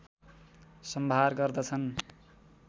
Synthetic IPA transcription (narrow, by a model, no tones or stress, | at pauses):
sʌmbʱarɡʌrd̪ʌt͡sʰʌn